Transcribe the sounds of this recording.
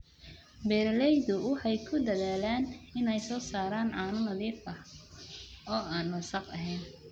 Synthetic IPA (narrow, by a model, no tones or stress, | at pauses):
bɛːɾlɛjðʊwɑħɑjkʰʊd̪ɐðaːlaːnɪnɛjsɔːsaːɾaːnʕɑːnʊnɐðiːfɐh | ɔːaːnwɐsɑqɐ̰ɦɛjn